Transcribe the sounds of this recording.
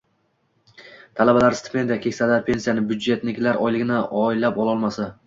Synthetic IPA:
t̪ʰalabalaɾst̪ɪ̥pʰe̞nd̪ijakʲʰe̞kʲsad̪apʰe̞nsijanɪbjʊd͡ʒe̞t̪nɪkʲlaɾɒjlɪɡʲɪnaʔɒɪlapɒlˠɒlˠmasa

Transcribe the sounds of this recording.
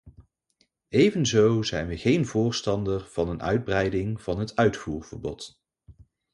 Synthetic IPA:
ejvənzowzɛjnʋəχejnvʊːɹstɑndəɹv̥ɑnənʔœ̰ɥd̚brɛjdɪŋv̥ɑnɦətœɥtfuːɹv̥əɹbɔ̰t

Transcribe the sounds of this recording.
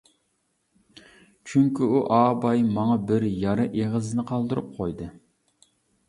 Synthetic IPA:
t͡ʃʰyŋkʲiuʔɑːbɑjmɑŋɑbɪɾjɑɾɨʔeʁəzɨnɨqʰɑlˠd̪ɨɾṵp̚qʰojd̪ɨ

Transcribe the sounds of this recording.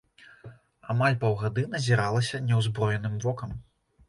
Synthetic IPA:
amalʲpɔwɣad̪ɨn̪ɐzʲiɾalˠɐsʲɐnʲɛwzbɾɔjɛnɨmvɔkɐm

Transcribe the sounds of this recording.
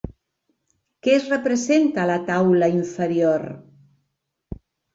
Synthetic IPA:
kɛzrəpɾəzent̪ələt̪awləiɱfəɾior

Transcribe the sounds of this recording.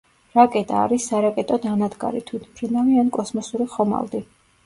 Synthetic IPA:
ɾakʼɛt̪ʼaːɾisːaɾakʼɛt̪ʼɔd̪anad̪ɡa̰ɾḭt̪ʰwit̪ʰpʰɾinaviankʼɔsmɔsuɾiχɔma̰lˠd̪i

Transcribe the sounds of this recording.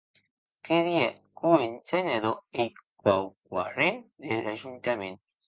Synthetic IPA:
keðiakuent͡saneðoejkwawkwarend̪elaʒunt̪amẽn

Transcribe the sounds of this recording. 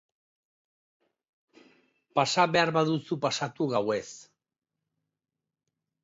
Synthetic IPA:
pasaβeaɾβaðut͡supasat̪uɣawes

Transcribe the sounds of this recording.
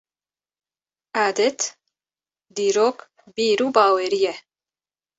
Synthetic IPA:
aːd̪ɛt̪ | d̪iːɾoːk | biːɾuːbɑːwɛɾijɛ

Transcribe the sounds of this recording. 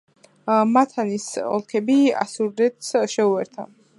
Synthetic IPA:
mat̪ʰanisɔ̰lˠkʰɛbia̰suɾd̪ɛt̪sʃɛuɛɾt̪ʰa̰

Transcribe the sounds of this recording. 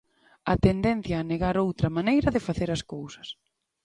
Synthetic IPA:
ɐ̰t̪end̪ɛn̟θjɐːneɣaɾowt̪ɾɐmanejɾɐðɪfaθeɾɐskowsɐ̥s

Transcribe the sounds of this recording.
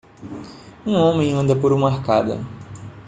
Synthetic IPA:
ũõmẽj̃ɐ̃nd̪ɐpoɾũmɐaɾkad̪ɐ̰

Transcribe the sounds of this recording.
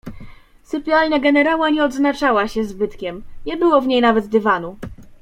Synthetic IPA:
sɘpʲjalnaɡɛnɛɾawaɲɛɔd̪znat͡ʂawaɕɛzbɘt̪kʲɛmɲɛbɘwɔvɲejnavɛd̪d̪ɘvanu

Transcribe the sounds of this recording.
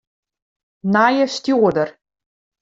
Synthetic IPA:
najəstjuːədər

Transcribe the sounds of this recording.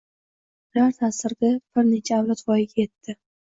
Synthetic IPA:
blaɾt̪ʰasɪɾd̪ab̥ɪɾne̞t͡ʃʰaːvlat̪vɒjɪɡʲaje̞t̪ːɪ

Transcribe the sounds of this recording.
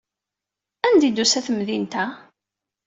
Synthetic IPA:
ænd̪id̪usæθəmðint̪æ

